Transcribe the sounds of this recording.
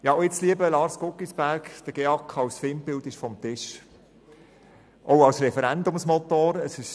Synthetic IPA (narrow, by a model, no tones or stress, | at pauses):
jɑoɪt͡sliəbəlɑːɾskʊkːisb̥æɾkd̥əɡ̥eɑkʰɑwsfɪmpɪlt̪ɪʃfɔmt̪ɪʃ | ʔɔʊɑwsɾɛfəɾænd̪ʊmsmot̪oːɾəsɪʃ